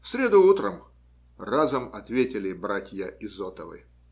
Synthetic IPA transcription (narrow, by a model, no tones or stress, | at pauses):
fsʲɾʲe̞d̪ʊut̪ɾəm | razəmɐt̪vʲetʲɪlʲɪbɾatʲjəɪzot̪əvɨ̰